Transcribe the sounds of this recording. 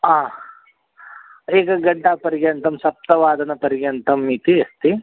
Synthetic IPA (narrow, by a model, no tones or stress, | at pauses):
aː | iːɡɐɡɐɖːaːpɐɾiɡjɐnt̪ɐmsɐp̚t̪ɐʋaːd̪ɐnɐpɐɾiɡjɐnt̪ɐmːiːt̪iɐst̪i